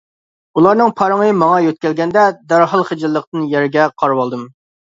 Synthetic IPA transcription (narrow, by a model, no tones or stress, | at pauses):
ulˠɑɾnɨŋpʰɑɾəŋəmɑŋɑjøt̪̚kʲɛlɡʲɛnd̪ɛd̪æɾɦɑlˠχəd͡ʒɪlˠːəq̚t̪ɨnjæɾɡʲɛqʰɑɾwɑlˠd̪ɨm